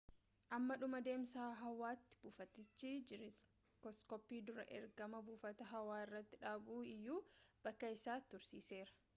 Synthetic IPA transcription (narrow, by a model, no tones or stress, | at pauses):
ʔɐmːɐᶑʊmɐd̪e̞ːmsaːɦɐwaːt̪ːɪ̥b̥uːfɐt̪ːɪt͡ʃːid͡ʒɪɾɪs | kɔskɔpːiːd̪ʊɾɐ̰ʔɛ̰ɾɡɐmɐbuːfɐt̪ɐɦɐwaːɪrːɐt̪ːɪᶑaːbuːɪjːuːb̥ɐkːɐɪsaːt̪ʊɾsiːse̞ːɾɐ̥